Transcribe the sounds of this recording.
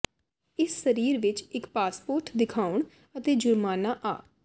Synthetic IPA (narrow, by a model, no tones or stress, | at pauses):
ɪsːəɾiːɾʋɪt͡ʃɪkpaːspoːɾʈd̪ɪkʰaːʊɳ | ət̪eːd͡ʒʊɾmaːnaːʔa̰ː